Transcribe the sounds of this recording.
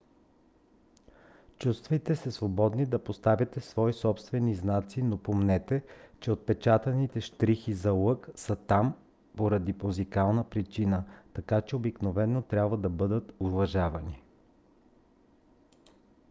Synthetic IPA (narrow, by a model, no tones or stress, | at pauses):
t͡ʃust̪vɐjt̪ɛsɛsvobɔd̪nid̪ɐpost̪avʲɐt̪ɛsvɔisɔpst̪vɛniznat̪sinopomnɛt̪ɛt͡ʃɛot̪̚pɛt͡ʃat̪ɐnit̪ɛʃt̪ɾixizɐlˠɤksət̪am | poɾɐd̪ipozikalˠnəpɾit͡ʃinət̪ɐkat͡ʃɛobiknovɛnːot̪ɾʲjabvɐd̪ɐbɤd̪ət̪ovɐʒavɐni